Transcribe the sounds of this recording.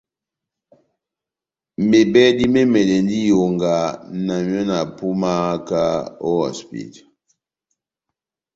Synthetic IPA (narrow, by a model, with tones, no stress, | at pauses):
me˨bɛ˦di˦me˦mɛ˨lɛ˨ndi˦jo˨ŋɡa˨na˨mjɔ˦na˨pu˦ma˦ka˦o˦ɔ̰˨spḭ˨d